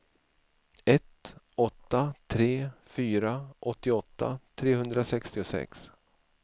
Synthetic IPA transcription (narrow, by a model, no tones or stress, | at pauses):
ɛt̪ | ɔt̪ːat̪ʰɾeːfyːɾaʔɔt̪ːɪɔt̪ːa̰t̪ʰɾeːhɵnd̪ɾasɛkst̪ɪʊsɛ̰ks